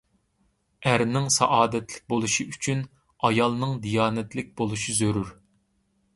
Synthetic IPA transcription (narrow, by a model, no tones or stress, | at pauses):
æɾnɪŋsɑʔɑːd̪ɛt̪lɪ̥k̚ʲbolˠuʃiyt͡ʃʰyn | ɑjɑlˠnɨŋd̪ijɑːnɛt̪lɪk̚ʲbolˠuʃizøɾyɾ